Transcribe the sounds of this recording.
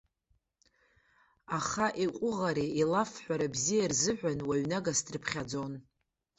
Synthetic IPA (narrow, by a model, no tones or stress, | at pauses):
aχaʔiqʷʼʊʁaɾiilafħʷaɾabzijarzɨħʷᶣanwaɥnaɡasdrɨpʰχʲad͡zo̞n